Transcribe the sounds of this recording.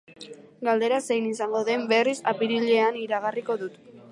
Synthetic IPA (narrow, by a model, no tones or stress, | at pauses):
ɡald̪e̞ɾase̞jnisaŋɡo̞ðe̞mbe̞risapiɾiʎe̞aniɾaɣ̞ariko̞ðut̪